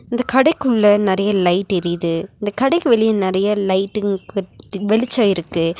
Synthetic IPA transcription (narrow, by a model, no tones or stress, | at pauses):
ɪnd̪ɐkɐɽɐɪkːɯɭːɐnɪɾɐjɐlɐɪʈːɪɾɪðɯɪnd̪ɐkɐɽɐɪkːɯʋɛlɪjɐ̃nɪɾɐjɐlɐɪʈːɯkɯʋɛlɪt͡ʃːaːɪɾɯkːɯ